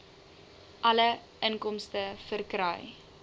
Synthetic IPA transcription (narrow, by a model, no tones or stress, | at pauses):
ʔɐlə | ənkɔmstəfərkɾœj